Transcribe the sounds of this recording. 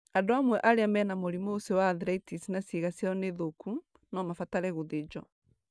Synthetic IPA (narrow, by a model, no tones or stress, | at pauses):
adoamwɛʔaɾeamɛnamoɾimosewaðɾɛitisinasiɣasiɔneðoku | nɔmafataɾɛɣoðed͡ʒɔ